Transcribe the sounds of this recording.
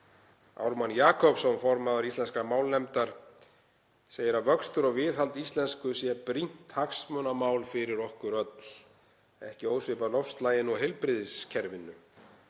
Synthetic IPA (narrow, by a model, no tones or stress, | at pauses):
a̰wɾmanjaːkʰɔpsɛmfɔɾmaðaɾist̪lɛnskamaːwlnɛmt̪aɾ̥ | seːjɪɾaðvœkst̪ʏɾɔɣvɪːðhalt̪ist̪lɛnskʏsjɛpɾin̥t̪haksmœnamaːwlfɪɾɪɾɔhkʏɾœt̪l̥ | ɛ̰hcɪoːwsvɪpanɔfst̪laːjɪnɔɦɛlpɾɪðɪscʰɛɾvɪnːʏ